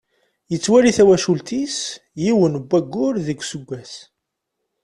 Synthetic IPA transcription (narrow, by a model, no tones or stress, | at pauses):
jət͡sːwæɾiθæwæʃult̪is | jiwənbːæɡːʊɾðəɡʷːsəɡʷːæs